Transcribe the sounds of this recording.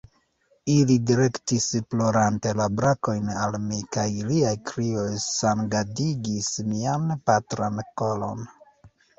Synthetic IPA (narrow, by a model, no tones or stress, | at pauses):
ilidiɾe̞ktisplo̞ɾante̞labɾako̞jnalmikajliajkɾio̞jsanɡadiɡismianpatɾanko̞lo̞̰n